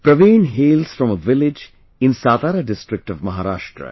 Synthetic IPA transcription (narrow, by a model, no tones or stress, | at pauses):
pɾəʋĩːnɦeːlsfɾɔ̃məʋɪlɪd͡ʒ | ɪ̃nsaːt̪aːɾəɖɪsʈɾɪk̚ʈʌʋmɐɦaɾaːʃʈɾə̰